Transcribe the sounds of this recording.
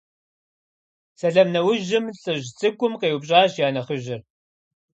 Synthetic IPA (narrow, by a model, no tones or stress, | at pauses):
sɐɮɐmnɐwʊʒɪmɬʼɨʑt͡sʼɨɡʷʼʊmqeːwʊpɕʼaːɕjaːnɐχəʒɪr